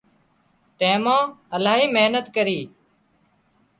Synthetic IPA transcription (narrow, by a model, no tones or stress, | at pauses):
t̪ɛ̃ːmãːəlaːɦiːmeɦnət̪kəɾiː